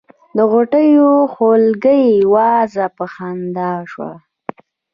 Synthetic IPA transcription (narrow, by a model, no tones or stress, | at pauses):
d̪əɣoʈəjoxolɡəjwɑzapəxand̪ɑʃwa̰